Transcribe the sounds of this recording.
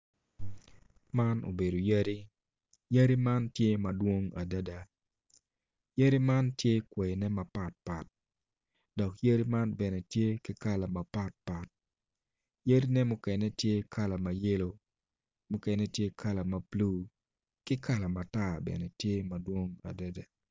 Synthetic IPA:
ma˦no̰˨be˨do˨jə˦ɾi˦ | jə˦ɾi˦ma˦ntje˦mɐdwo˦ŋa˨da˦da˨ | jə˦ɾi˦ma˦ntje˦kwe˨nɛ˦ma˨pa˨t̚pa˨t̚ | dɔ˨kjə˦ɾi˦ma˦nbɛ˨nɛ˨tje˦kɪ˦ka˦la˨ma˨pa˦t̚pa˨t̚ | jə˦ɾi˦nɛ˦mʊ˦kɛ˨nɛ˦tje˦kʰa˦la˨ma˨je˦lo˦ | mʊ˦kɛnɛ˦tje˦kʰa˦la˨ma˨pluː˦ | kɪ˦ka˦la˨ma˨ta˦bɛ̰˨nɛ˨tje˦ma˨dwo˦ŋa̰˨da˦da˨

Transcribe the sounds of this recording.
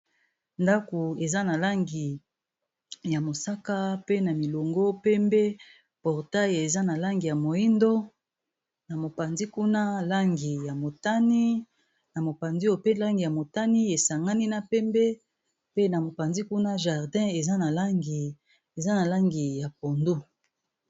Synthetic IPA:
nda˦ko˨e˨za˦na˨la˦ŋɡi˨ | ja˨mo˨sa˦ka˦pe˦na˨mi˨lo˨ŋɡo˦pɛ˦mbe˦ | pɔ˨ʁta˦je˨za˦na˨la˦ŋɡi˨ja˨mo˨i˦ndo˦ | na˨mo˨pa˨nzi˦ku˦na˦la˦ŋɡi˨ja˨mo˨ta˦ni˦ | na˨mo˨pa˨nzi˦o˨pe˦la˦ŋɡi˨ja˨mo˨ta˦ni˦e˨sa˨ŋɡa˦ni˦na˨pɛ˦mbe˦ | pe˦na˨mo˨pa˨ndi˦ku˦na˦ʒa˨ʁdɛ̃˦e˨za˦na˨la˦ŋɡi˨ | e˨za˦na˨la˦ŋɡi˨ja˨po˨ndu˦

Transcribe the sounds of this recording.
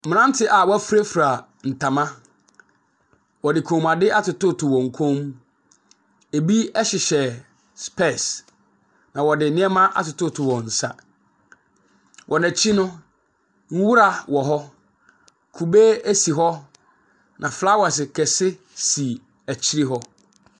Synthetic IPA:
m̩̃˨nã˦n̩˦tʰɪ˨ʔa˨wɔ˦æ˦fu˦ɾæ˦fu˨ɾa˨ | n̩˨tʰa˨mã˦ | wɔ˨dɪ˨kʰõ˨ma˨dɪ˦ʔa˦tʊ˨tʊ˦tʰʊ˨wɔ̃˨ŋ̩˨kʰõ˦m | e˨bi˦ɛ˦ɕɪ˨ɕɛ˨ | spɛ˦˨s | nã˨wɔ˨dɪ˨nɪ̃˦ɛ˦mã˦ʔa̰˨tʊ˨tʊ˦tʰʊ˨wɔ̃˨n̩˨sa̰˦ | wʔɔ˨næ˨t͡ɕʰi˦nʊ̃˦ | ŋ̩˦wu˦ɾa˨wɔ˨ɦɔ˦ | kʰu˨be˦æ˦si˨ɦɔ˦ | nʔã˨fla˦wa˨sɪ˨kʰɛ˨sɪ˦ | si˨ | æ˨t͡ɕʰi˦ɾi˦ɦɔ˦

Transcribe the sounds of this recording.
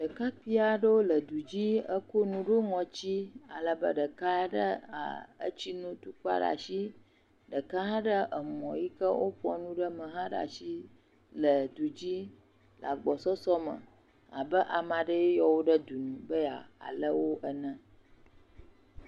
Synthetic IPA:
ɖə˨ka˦ɸi˦a˨ɖə˦wo˦lə˨d̪u˨d͡ʑi˦ə˦ko˦nũ˨˦ɖo˦ŋɔ̃˨t͡ɕi˦a˨lə˨bə̰˦ɖə˨ka˦ɖə˦a̰˨ə̰˦t͡ɕi˦nũ˦t̪u˦k͡pa̰˦ɖa̰˨ʃi˦ | ɖə˨ka˦ɦã˦ɖə˦ʔə˨mɔ̃˨ji˦kə˦wo˦ɸɔ̰˦nũ˦ɖə˦mə̃˨ɦã˦ɖa̰˨ʃi˦ | lə˨d̪u˨d͡ʑi˦ | la˨ɡ͡bɔ˨sɔ˦sɔ˦mə̰̃˨ | a̰˨bə˦ʔa˨mã˨ɖə˦je˦jɔ˨wo˦ɖə˦d̪u˨nũ˨bə˦a̰˨a̰˨lə˦wo˦ʔə˦nə̃˦

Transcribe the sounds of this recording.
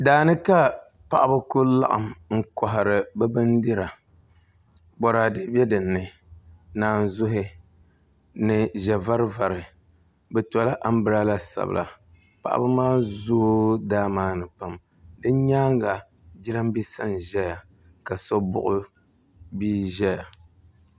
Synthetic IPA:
daː˨nɨ˦ka˦ | pa˨ʔa˦ba˦kʊ˦la̰˦ʔa̰˨mŋ̩˦kɔ˨ɦa˨ɾɨ˨bɛ˦bɨ˦ndi˦ɾa˨ | bɔ˨ɾaː˨dɨ˦bɛ˦dɨ˨nːɨ˨ | naː˨n˨zʊ˦ɦɪ˦ | nɨ˨ʒɛ˨va˦ɾɨ˦va˨ɾɨ˨ | bɛ˨tɔ˨la˦ʔa˦m˦bɨ˦ɾa˦la˦sa̰˨bɨ̰˨lʔa̰˨ | pa̰˨ʔa̰˦bɨ˦maː˦zoː˦daː˦maː˦nɨ˨pa˦m | dɨ˦ɲaː˦ŋɡa˨ | d͡ʒɪ˦ɾɨ˦mbi˦sa̰˦nʒɛ˦ja˨ | ka˨sɔ˦bʊ˦ʔʊ˦ | biː˦ʒɛ˦ja˨

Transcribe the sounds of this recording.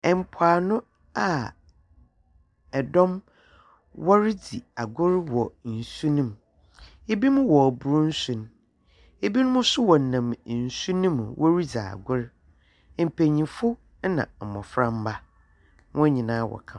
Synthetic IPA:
ɛ˨m̩˨pʰaː˨nʊ̃˦ | a˨ | ɛ˨dɔ̃˦m | wɔ˦ɾɪ˦di˨a˨ɡʊ˦ɾwɔ˨n̩˨su˦nĩ˦m˨ | e˦bi˦mʊ̃˦wɔ˨bu˨˦ɾʊ˦n̩˦sũ˨n˦ | e˦bi˦nʊ̃˦mʊ̃˦sʊ˦wɔ˨nã˨m˨n̩˨su˦nĩ˦m˨wʔɔ˦ɾi˦d͡za̰˨a̰˨ɡʊ˦ɾ | m̩˨pʰe˨ɲĩ˨fʊ˦ | nã̰˨mɔ̰̃˨fɾã˦m˦ba˦ | wɔ̃˦ɲĩ˨nãː˦wɔ̰˨kʰã˦˨

